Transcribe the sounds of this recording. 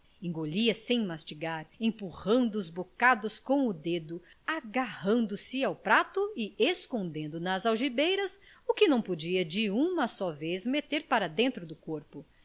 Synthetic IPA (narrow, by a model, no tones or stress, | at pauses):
ẽŋɡoʎiɐsẽj̃mast͡ʃiɡaɾẽpuhɐ̃nd̪ʊːzbokad̪ʊskõw̃ʊd̪ed̪ʊ | aɡahɐ̃nd̪ʊsɪawpɾat̪ʊɪeskõnd̪ẽnd̪ʊnɐzawʒibejɾɐs | ʊkɪnɐ̃w̃pod͡ʒiɐd͡ʒɪũmɐsɔvezmet̪eɾpaɾɐd̪ẽnt̪ɾʊd̪ʊkoɾpʊ